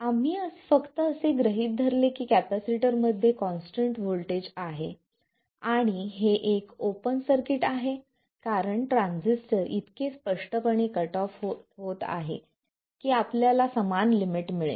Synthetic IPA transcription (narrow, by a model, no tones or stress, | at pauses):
am̤iːəsfəkt̪əːseɡɾəɦiːt̪̚d̪ʱəɾlekiːkæpæsiʈəɾməd̪ʱːjekɔ̃nsʈəɳʈʋolʈed͡ʑaɦe | aɽ̃iɦeʔekopənsəɾkiʈaɦe | kaɾəɳʈɾãnd͡zisʈəɾʔit̪kespəʂʈəpəɳ̃ikəʈɔfoɦot̪a̰ɦḛ | kiːapljalasəmanlimiʈmiɭḛ